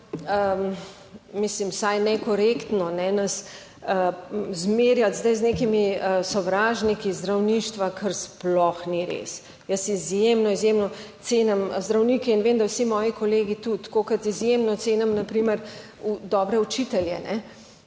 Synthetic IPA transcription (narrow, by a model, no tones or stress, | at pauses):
ə | mislimsajnɛkɔɾekt̪nɔnɛnɐs | əzmeːɾjat̪zd̪ajznekimiəsɔʋɾaːʒnikizd̪ɾawniːʃt̪ʋakʰəɾsplɔxniɾḛːs | jəsizjemnɔizjemnɔt̪seːnamzd̪ɾawniːkɛinʋeːmd̪awsimɔːjikɔleːɡit̪ut̪koːkɐt̪izjemnɔt̪seːnamnɐpɾiməɾ | ud̪ɔbɾɛut͡ʃit̪ɛljɛ̰nɛ